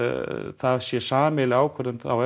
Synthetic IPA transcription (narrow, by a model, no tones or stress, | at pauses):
θaðsjɛsaːmɪlɪaːwkʰvɛɾðʏnawɛ